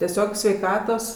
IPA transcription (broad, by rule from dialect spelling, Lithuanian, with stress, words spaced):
tʲɛˈsʲoːk sʲʋʲɛɪˈkɑːtoːs